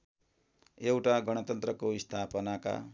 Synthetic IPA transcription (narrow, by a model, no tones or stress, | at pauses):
ewʈaɡʌɽ̃ʌt̪ʌnt̪rʌkoist̪ʰapʌnaka̰